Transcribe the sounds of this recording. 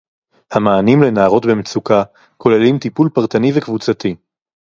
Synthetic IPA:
hamaːnimle̞naːʁo̞t̪bemet͡suka | ko̞le̞limt̪ipulpaʁt̪anivekvut͡sat̪i

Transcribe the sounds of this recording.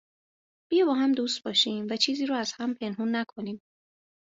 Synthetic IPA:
b̥ijɒbɒːɦæmd̪uːst̪̚bɒːʃiːmvæt͡ʃʰiːziːɾɔːæz̥hæmpʰenɦuːnːækʰo̞niːm

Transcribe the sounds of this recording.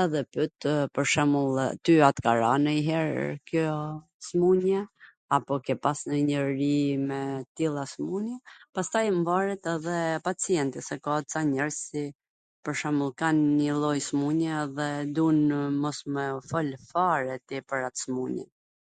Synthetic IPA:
ɛðɛpyt̪pəɾʃɛmulˠt̪yat̪kaɾanəiɦɛɾkjɔ | smuɲɛ | apɔkɛpasnəɲəɾimɛt̪ilˠasmuɲɛpast̪ajmvaɾɛt̪ɛðɛpat͡siɛnt̪isɛkɔt͡saɲɛɾsi | pəɾʃɛmulˠkanɲəlˠɔjsmuɲɛðɛd̪unmɔsmɛfɔlfaɾɛt̪ipəɾat̪ə̥smuɲɛ̰n

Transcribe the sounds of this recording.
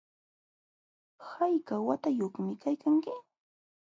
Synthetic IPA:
hajkawat̪ajoχmɪkajkaŋkɪ

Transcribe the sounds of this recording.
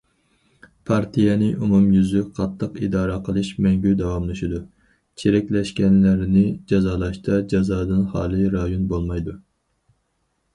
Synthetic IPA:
pʰɑɾt̪ʰijɛnɪʔumumjyzyqʰɑt̪ʰːəqid̪ɑːɾɑqʰəlˠɨʃmɛŋɡʲyd̪ɑwɑmlˠɨʃid̪u | t͡ʃʰeɾɛkʲlɛʃkʲɛnlæɾnɪd͡ʒɑzɑːlˠɑʃt̪ʰɑd͡ʒɑzɑːd̪ɨnhɑːlˠɨɾɑjonbolˠmɑjd̪u

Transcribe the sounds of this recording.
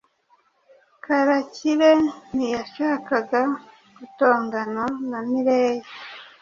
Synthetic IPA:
kaɾaciɾenijaʃaːkaɡa | ɡuto̞ːŋɡanonamiɾeːje

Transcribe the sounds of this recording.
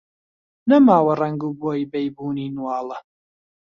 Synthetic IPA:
nɐmaːwɐrɐŋɡuːboːjbɛjbuːniːnwɑːlˠɐ

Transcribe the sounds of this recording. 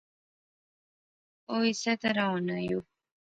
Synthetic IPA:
oisat̪aɾɑnaju

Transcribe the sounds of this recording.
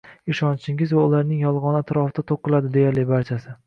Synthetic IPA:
ɪʃɒnt͡ʃʰɪŋɪzvaʊlaɾnɪŋjɒlˠʁɒnɪat̪ɾɒfɪt̪ʰat̪ʰoqːɨlad̪ɪd̪e̞jaɾlɪbaɾt͡ʃʰasɪ

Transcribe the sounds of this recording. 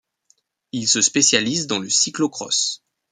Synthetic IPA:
ilsəspesjalizd̪ɑ̃ləsiklokχɔ̰s

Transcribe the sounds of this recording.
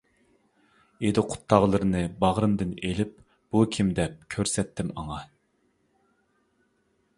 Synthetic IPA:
ed̪ɪqʰʊ̥t̪ʰːɑʁlˠɨɾɨnɨbɑʁɾɨmd̪ɨnelɪp̚ | b̥ukʲʰimd̪ɛp̚kʲʰøɾsɛt̪ʰːɪmɑ̰ŋɑ

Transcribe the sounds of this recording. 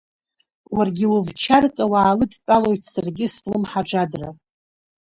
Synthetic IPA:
warɡʲɪwʊvt͡ʃʰarkʼawaːlɨdt͡pʼalo̞jtʰsarɡʲɪslɨmħaʈ͡ʂadra̰

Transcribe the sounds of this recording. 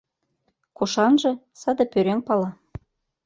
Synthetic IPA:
koʃɑnʒɤ̆ | sɑd̪ɤ̆pʲøɾeŋpɑlˠɑ

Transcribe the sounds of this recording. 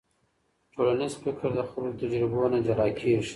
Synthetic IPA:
ʈʰolanizfɪkʰəɾd̪əxʊɾult̪ad͡ʒɾɪbonad͡ʒaɾɑkʰiʃ

